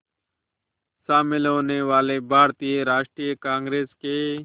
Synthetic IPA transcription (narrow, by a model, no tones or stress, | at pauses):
saːmɪlɦoːneːʋaːleːbʱaːɾt̪iːɾaːʃʈ̪ɾiːəkãːŋɡɾeːskeː